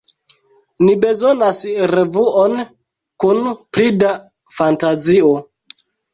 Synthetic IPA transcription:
nibe̞zo̞nasɾevuon | kunpɾida | fantazio

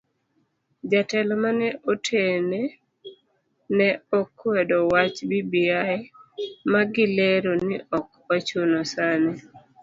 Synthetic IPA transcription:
d͡ʒatɛlɔmanɛʔotʰene | nɛɔkwɛdɔwat͡ʃbibiamaɡɪleɾonɪʔɔkwat͡ʃonɔsanɛ

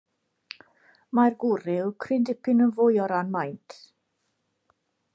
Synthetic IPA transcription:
marɡʊrɪlkʰrɪndɪpɪnənvʊjɔɾanmajntʰ

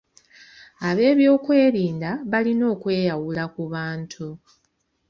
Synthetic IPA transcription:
aβe̞ːβjo̞ːkwe̞ːɾiːndaβalino̞ːkwe̞ːjawulakuβaːntʰu

